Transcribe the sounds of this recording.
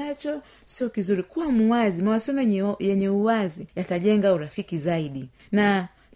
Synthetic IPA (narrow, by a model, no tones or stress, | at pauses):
at͡ʃɔ | siɔkizuɾikuwamuwazimawasɔmajɛɲɛuwazijataʄɛŋɡauɾafikizaiɗi | na